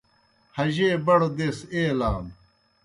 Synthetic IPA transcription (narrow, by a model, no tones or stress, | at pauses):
hɐʑeːbɐɽod̪eːseːlaːm